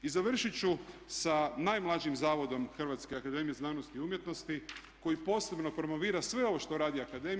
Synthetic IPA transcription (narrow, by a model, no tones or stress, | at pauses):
izaʋr̩ʃit͡ɕusanajmlˠad͡ʒiimzaːʋo̞d̪o̞mxr̩ʋat̪skeakad̪e̞mijeznaːnost̪iumje̞t̪no̞st̪i | ko̞jipo̞ːse̞bno̞pɾo̞mo̞ʋiːɾasʋe̞o̞ʋo̞ʃt̪oɾaːd̪iakad̪e̞m